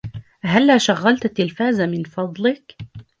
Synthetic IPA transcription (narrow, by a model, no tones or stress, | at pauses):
ɦalːaːʃaɣːalt̪at̪ːɪlfaːzamɪnfɑd̪ˤlɪk